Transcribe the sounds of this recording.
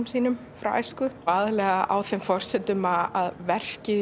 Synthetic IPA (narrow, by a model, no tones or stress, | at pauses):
msiːnʏm | fɾa̰wa̰jskʏaːðɪlɛːɣaʔa̰wθɛmfɔr̥sɛt̪ʏmaaðvɛr̥cɪ